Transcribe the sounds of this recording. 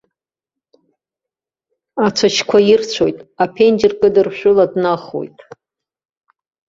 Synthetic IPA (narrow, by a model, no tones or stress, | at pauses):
at͡ʃʷʰat͡ʃʰkʷʰajirt͡ɕʷʰo̞̰jtʼapʰend͡ʒɪrkʼɨdɨrʃʷᶣʊladnaχo̰jtʼ